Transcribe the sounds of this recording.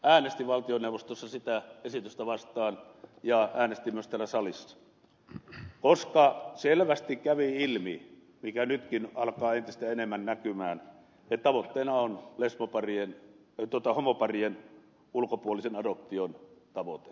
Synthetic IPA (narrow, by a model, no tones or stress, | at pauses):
æːnest̪iʋɑlt̪ionewʋˑost̪osːɑsit̪æesit̪yst̪æʋɑst̪ɑːn | jɑæːnest̪imyøst̪ælːæsɑlisːɑ̥ | koskɑselʋæst̪ikkæʋiilmḭ | mikænyt̪kinɑlkɑːent̪ist̪æenemːænnækymæːn | et̪t̪ɑʋot̪ːeːnɑonlesmopɑrien | t̪uot̪ɑhomopɑrien | ulkopuolisenɑdop̚t̪iont̪ɑʋot̪e̥